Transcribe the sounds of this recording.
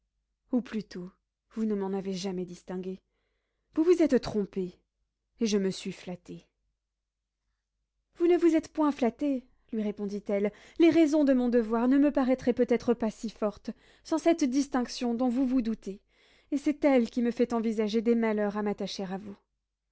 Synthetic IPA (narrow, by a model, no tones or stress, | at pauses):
uplyt̪ʰo | vunəmɑ̃naveʒamɛd̪ist̪ɛ̃ɡʲe | vuvuzɛt̪t̪χɔ̃pe | eʒəməsɥiflat̪e | vunəvuzɛt̪pwɛ̃flat̪e | lɥiʁepɔ̃d̪it̪ɛl | leʁɛzɔ̃d̪əmɔ̃d̪əvwaʁnəməpaʁɛt̪χɛpøt̪ɛt̪χəpasifɔʁt̪ | sɑ̃sɛt̪d̪ist̪ɛ̃ksjɔ̃d̪ɔ̃vuvud̪ut̪e | esɛt̪ɛlkʲiməfɛt̪ɑ̃vizaʒed̪emalœʁamat̪aʃeʁavu